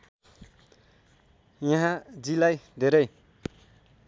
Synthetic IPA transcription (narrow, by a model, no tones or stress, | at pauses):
jãɦãd͡zilajd̪ʱeɾʌj